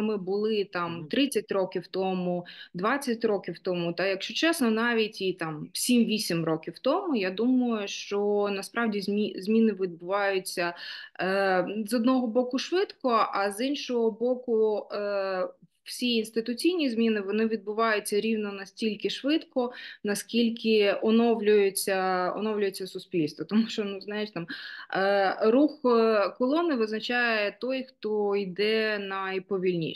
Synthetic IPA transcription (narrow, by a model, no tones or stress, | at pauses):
mɪbʊlˠɪt̪ɑmt̪ɾɪt͡sʲːɐtʲrɔkʲiwt̪ɔmʊd̪ʋɑt͡sʲːɐtʲrɔkʲiwt̪ɔmʊt̪ɐjɐkʃt͡ʃɔt͡ʃɛsnɔnɑʋʲitʲit̪ɑmsʲimʋʲisʲimrɔkʲiwt̪ɔmʊjad̪umɐjʊʃt͡ʃɔnɐspɾɑwdʲizmʲizʲmʲinɪʋʲid̪̚bʊʋɑjʊt͡sʲːɐ | zɔd̪nɔɦɔbɔkʊʃʋɪt̪kɔʔɐzinʃɔɦɔbɔkʊ | w̥sʲiinst̪ɪt̪ʊt͡sʲijnʲizmʲinɪʋɔnɪʋʲid̪̚bʊʋɑjʊt͡sʲːɐɾʲiwnɔnɐsʲtʲilʲkɪʃʋɪt̪kɔnɐskʲilʲkɪɔnɔwlʲʊjet͡sʲːɐɔ̰nɔwlʲʊjet͡sʲːɐsʊspʲilʲst̪ʋɔt̪ɔmuʃt͡ʃɔnʊznajɪʃt̪ɑm | ɾuxkɔlˠɔnɪʋɪznɐt͡ʃajɛɛt̪ɔjxt̪ɔid̪ɛnɐjpɔʋʲilʲnʲḭ